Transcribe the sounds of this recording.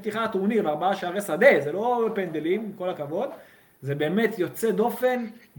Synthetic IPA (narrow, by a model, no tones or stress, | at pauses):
t̪iχat̪univaʁbaaʃeaʁesad̪e̞zelo̞bepend̪elimko̞lakavo̞d̪ | zebe̞ːmet̪jo̞t͡se̞d̪o̞fe̞n